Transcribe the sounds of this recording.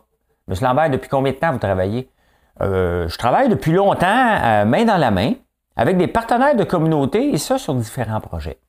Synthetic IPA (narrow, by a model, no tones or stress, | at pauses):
məslɑ̃ːbɛːd̪əpɥi̥kɔ̃bjɛ̃d̪ət̪ãvut̪ʁavajḛ | ʒə̥t̪ʁavajd̪əpɥilɔ̃t̪ɑ̃mɛ̃d̪ɑ̃lamɛ̃ | a̰vɛk̚d̪epaʁt̪ənɛːʁd̪əkɔmynoːt̪eesəsyʁd̪i̥feʁɑ̃pʁɔ̰ʒɛ̰